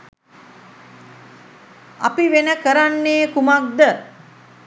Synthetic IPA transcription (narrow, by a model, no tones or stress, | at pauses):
a̰piʋenəkəɾanːeːkumak̚d̪ə